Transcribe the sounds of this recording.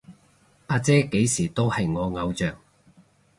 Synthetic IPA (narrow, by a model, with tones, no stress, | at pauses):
aː˧t͡sɛː˥ke˨˥jsiː˨˩t̪o˥whɐ˨jŋɔː˨˧ŋɐ˨˧wt͡ʃœː˨˩ŋ